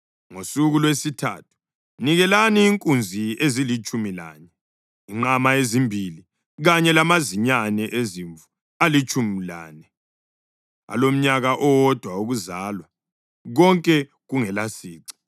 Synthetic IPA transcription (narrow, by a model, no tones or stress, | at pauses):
ŋosuɣulwesitʰa̰tʰu̥ | niɣɛlaniːŋkʼund͡zʱiezilit͡ʃʼumila̰ɲɛ | iŋ͡ǃamaezimbʱili | ɣaɲɛlamaziɲanɛʔeziɱvu | alit͡ʃʼumila̰ːnɛ | a̰lom̩ɲaɣaʔɔwɔd̥ʱwauɣuzaːlwa | ɣɔŋkʼɛ | ɣuŋɛlasiːǀi̥